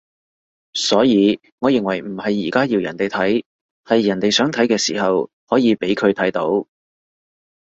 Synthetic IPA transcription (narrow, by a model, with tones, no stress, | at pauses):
sɔː˨˥jiː˨˧ | ŋɔː˨˧jɪ˨ŋwɐ˨˩jm̩˨˩hɐ˨jːiː˨˩kaː˥jiː˧wjɐ˨nt̪e˨jt̪ʰɐ˨˥j | hɐ˨jːɐ˨˩nt̪e˨jsœː˨˥ŋt̪ʰɐ˨˥jkɛː˧siː˨˩hɐ˨whɔː˨˥jiː˨˧pe˨˥jkʰɵ˨˧ɥt̪ʰɐ˨˥jt̪o˨˥w